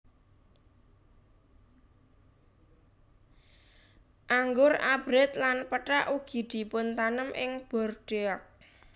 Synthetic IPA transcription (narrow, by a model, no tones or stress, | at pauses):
ʔaŋɡʊɾab̥ɾɛt̪lanpəʈaʔuɡ̥i̤d̪̥i̤pʊnt̪anəmʔɪŋb̥ɔ̤rɖ̥eak̚